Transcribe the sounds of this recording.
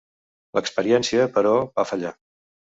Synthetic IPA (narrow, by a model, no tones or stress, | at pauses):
ləkspəɾiɛnsiəpəɾɔβafəʎa